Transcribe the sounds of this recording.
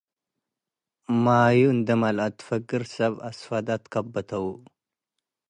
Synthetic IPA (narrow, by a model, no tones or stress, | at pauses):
majuɨnd̪ɐmalʔat̪ʰːɨ̥fɐɡɨɾsɐβasfad̪at̪kʰabːɐt̪ʰɐwu